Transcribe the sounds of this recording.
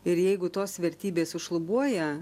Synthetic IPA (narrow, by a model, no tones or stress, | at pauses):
ɪɾjɛɪɡʊt̪oːsʋʲɛɾʲt̪ʲiːbʲeːsʊʃlˠʊbuɔjɛ